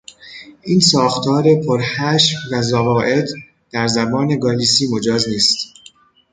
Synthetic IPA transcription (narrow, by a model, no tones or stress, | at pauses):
ʔiːnsɒːxt̪ʰɒːɾe̞pʰoɾhæʃfvæzævɒːʔe̞d̪ | d̪̥æɾzæbɒːne̞ɡɒːliːsiːmo̞d͡ʒɒːzniːst̪